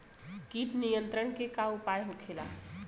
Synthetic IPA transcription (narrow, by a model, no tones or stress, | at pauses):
kipnijənt̪ɾəɳkekaupajɦukʰela̰